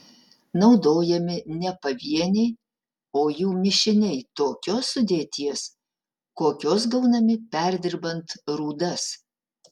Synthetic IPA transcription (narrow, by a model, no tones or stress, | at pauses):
nɐʊd̪oːjɛmʲɪnʲɛpɐʋʲiɛnʲɛɪ | oːjuːmʲɪʃʲɪnʲɛɪt̪oːkʲoːsʊd̪ʲeːt̪ʲiɛs | koːkʲoːsɡɐʊnɐmʲɪpʲɛɾʲd̪ʲɪɾbɐnt̪ɾuːd̪ɐs